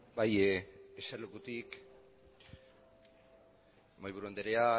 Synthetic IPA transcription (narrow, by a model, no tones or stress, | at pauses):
bajeselukut̪ik | majβuɾuond̪eɾea